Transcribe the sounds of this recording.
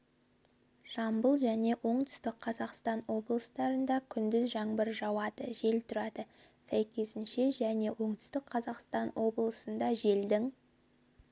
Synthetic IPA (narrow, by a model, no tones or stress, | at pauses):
ʒ̥ɑmbəlˠʒæne̞ʔo̞ɴt̪ʏ̥st̪ɪk̚qʰɑzɑqst̪ɑnwo̞blˠəst̪ɑɾənd̪ɑkʲʰʏnd̪ɪzʒɑɴbəɾʒɑwɑd̪əʒe̞lt̪ʰʊɾɑd̪ə | sæjkʲʰe̞sɪnʃe̞ʒæne̞wʔo̞ɴt̪ʰʏ̥st̪ɪk̚qʰɑzɑqst̪ɑnwo̞blˠəsənd̪ɑʒe̞ld̪ɪŋ